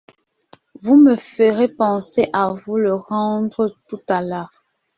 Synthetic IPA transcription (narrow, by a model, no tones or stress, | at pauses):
vuməfəʁepɑ̃seʔavuləʁɑ̃dʁətutalaːʁ